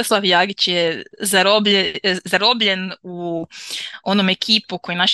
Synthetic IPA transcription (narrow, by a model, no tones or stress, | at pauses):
oslˠaʋjaɡit͡ɕjɛzaɾobezaɾobʎenu | o̞nomekʰiːpukojenaʃ